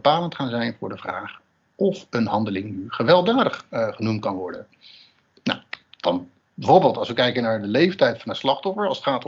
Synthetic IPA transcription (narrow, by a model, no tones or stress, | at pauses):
əpaːləntχaːnzɛjnvʊːɹdəvra̰ːχ | ʔɔfənɦɑndəlɪŋnyχəʋɛlˠdaːdəχχənumt̚kɑnʋɔɹdən | na̰wd̥ɑn | bɛvoːɹbɪːlˠtɑlˠsʋəkɛjkənaːɹdəlejftɛjtfɑnənslɑχtɔfəɹɑlˠsətχaːt